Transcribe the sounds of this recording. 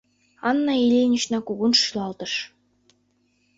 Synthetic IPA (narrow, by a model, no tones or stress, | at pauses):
ɑnːɑilʲenʲĭʃnɑkuɣunʃylˠɑlˠt̪ɤ̆ʃ